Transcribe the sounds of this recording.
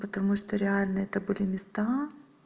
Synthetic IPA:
pət̪ɐmuʃt̪oɾʲɪalʲnɐɛt̪ɐbɨlʲimʲɪst̪a

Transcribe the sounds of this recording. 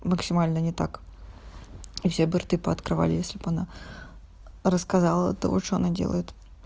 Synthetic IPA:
məksʲɪmalʲnənʲɪt̪ak | ifsʲebɨrt̪ɨpəɐt̪kɾɨva̰lʲɪjesʲlʲɪpana | ɾəskazalˠə̰t̪o̰ɔt͡ʂoɐnadʲḛlˠə̰jɪt̪

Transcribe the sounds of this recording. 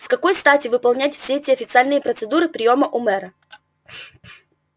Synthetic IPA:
skɐko̞jst̪atʲɪvɨpɐlˠnʲætʲfsʲeɛtʲɪɐfʲɪt̪sɨalʲnɨjəpɾət̪sɨd̪uɾɨpɾʲɪjo̞məʔʊmɛɾə

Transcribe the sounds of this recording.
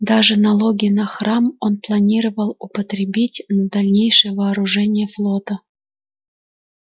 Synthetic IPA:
d̪aʐɨnɐlˠoɡʲɪjnaxɾɑmonplˠɐnʲiɾəvəlˠupət̪ɾʲɪbʲitʲnəd̪alʲnʲejʂəjəvɐːɾuʐɛnʲɪjəflˠot̪ə

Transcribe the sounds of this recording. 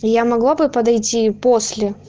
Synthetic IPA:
jamɐɡlˠabɨpɐd̪ɐjtʲiposʲlʲɪ

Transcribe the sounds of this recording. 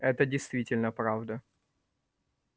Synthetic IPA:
ɛt̪ədʲɪjst̪vʲitʲɪlʲnəpɾavd̪ə

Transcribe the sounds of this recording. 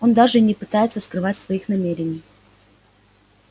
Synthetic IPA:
o̞nd̪aʐɨnʲɪpɨt̪ajɪt̪səskɾɨvatʲsvɐixnɐmʲeɾʲɪnʲɪj

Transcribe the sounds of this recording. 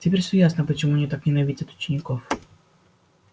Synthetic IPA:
tʲɪpʲeɾʲfsʲojasnəpət͡ɕɪmunʲɪt̪aknʲɪnɐvʲidʲɐt̪ʊ̥t͡ɕɪnʲɪkof

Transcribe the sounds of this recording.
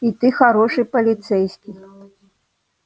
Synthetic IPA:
it̪ɨxaɾɔʂɨpɐlʲit̪sɛjsʲkʲi

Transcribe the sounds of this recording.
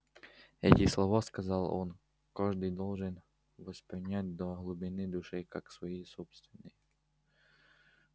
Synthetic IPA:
ɛ̰tʲɪslˠɐvaskɐzɑlˠo̰n | kaʐd̪ɨjd̪olˠʐɨn | vəspɾʲɪnʲæt̚ʲd̪oɦlˠʊbʲɪnɨd̪ʊʂɨkaksvɐjisopst̪vʲɪnːəj

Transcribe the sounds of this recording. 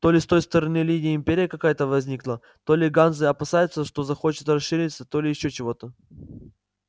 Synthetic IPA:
t̪o̞lʲɪst̪o̞jst̪əɾɐnɨlʲinʲɪjəɪmʲpʲeɾʲɪjəkɐkajət̪əvɐzʲnʲiklˠə | t̪o̞lʲɪɡanzɨɐpɐsajʊt̪səʂt̪o̞zɐxo̞t͡ɕɪ̥t̪ɾɐsʂɨɾʲɪt̪sət̪o̞lʲɪjɪɕːo̞t͡ɕɪvo̞t̪ə

